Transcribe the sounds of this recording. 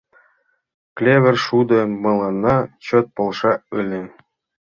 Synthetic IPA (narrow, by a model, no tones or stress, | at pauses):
klʲevʲɘ̆rʲʂud̪ɤ̆mɤ̆lˠɑnːɑt͡ɕɤt̪̚polˠʂɑɯlʲɘ̆